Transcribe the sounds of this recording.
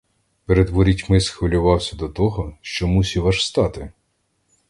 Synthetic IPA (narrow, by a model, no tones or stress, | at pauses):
peɾed̪ʋɔɾʲitʲmɪsxʋɐlʲʊʋɑwsʲɐd̪ɔt̪ɔɦɔʃt͡ʃɔmusʲiʋɐʃst̪ɑt̪ɪ